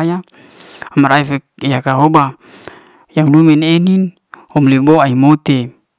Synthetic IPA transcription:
ja | amaɾaifekjakaɦoba | jaŋlumenenin | homleboaimot̪e

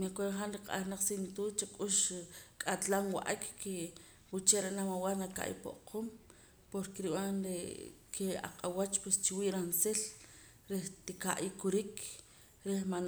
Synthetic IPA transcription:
makoɾeχanɾiqa̰ʔaɾnaq͡χsint̪ut͡ʃakʼuʃkʼat̪lanwa̰ʔakke | wut͡ʃeɾeʔnamawaɾnaka̰ʔjḭpo̰ʔqʰom | poɾkeɾiwanɾḛkʰea̰qʼawat͡ʃpwest͡ʃiwiːʔɾansel | ɾeht̪ikaʔikuɾik | ɾehman

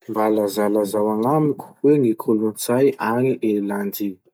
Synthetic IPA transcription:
mbalazalazawaŋamiku̥weŋikʰolunt͡sajaŋiʔeland̪i

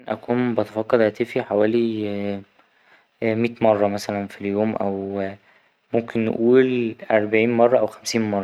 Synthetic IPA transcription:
nʔæ̰kuːnbæt̪efɑkːɑd̪ʔæt̪efiħawæːli | miːt̪mɑrˤːɑmæsælænfiljoːmʔæw | momkenːḛʔuːlʔæɾˤbaʕiːnmɑrˤːɑʔæwxæmsiːnmɑrˤːɑ

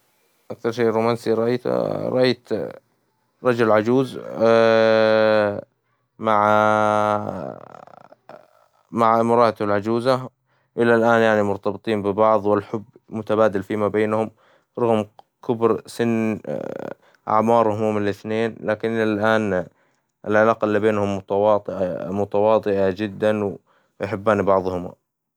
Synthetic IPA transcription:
ʔak̚θɑɾˤʃeːɾuːmaːnsiɾˤɑʔajt̪ɾˤɑʔajt̪ | ɾˤɑd͡ʒʊllʕad͡ʒuːz | maʕ | maʕmʊɾˤɑːʔat̪lʕad͡ʒuːza | ʔɪlːalʔaːnjaʕnimʊɾt̪ɑbɨt̪ˤiːmbɪbɑʕðˤwɪlħʊbːmʊt̪abaːd̪alfiːmabeːnhʊm | ɾˤɑɣmkʰʊbɾsɪn | ʔa̰ʕmɑːɾˤhʊmuːmɪnlɪθneːnlaːkɪnʔalʔaːn | ʔɪlʕalaːqɑʔɪlːiːbeːnhʊmːʊt̪wɑˤʔmʊt̪awɑːt̪ˤɨʔad͡ʒɪd̪ːanw | jħɪbːaːnibɑʕðˤhʊma̰

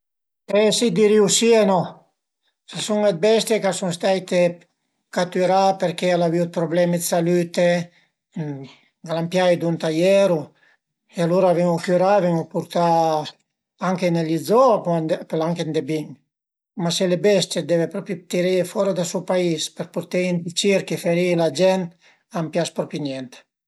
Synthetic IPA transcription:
pesid̪iɾiwsienɔ | sasuŋed̪̚bɛst̪jekasuŋst̪ajt̪e | kat̪yɾapeɾkealaviwd̪̚pɾoblɛmed̪salyt̪e | ɡalampjajd̪unt̪ajɛɾu | ealuɾavɛŋufjuɾavɛŋupuɾt̪a | aŋkenelidzɔappelaŋkend̪ebiŋ | maselebɛst̪jed̪ɛvepɾɔpt̪iɾifɔɾad̪asupaispeɾpuɾt̪eind̪it͡ʃiɾkefeɾilad͡ʒɛnt̪ | ampjaspɾɔpinjɛnt̪

